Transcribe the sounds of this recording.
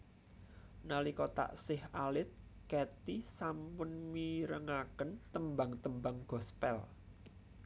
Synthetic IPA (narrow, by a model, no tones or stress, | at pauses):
nalikot̪a̰ʔsɪhalɪt̪̚kɛt̪isampʊnmiɾəŋakənt̪əmba̤ŋt̪əmbaŋɡ̥ɔ̤spɛ̰l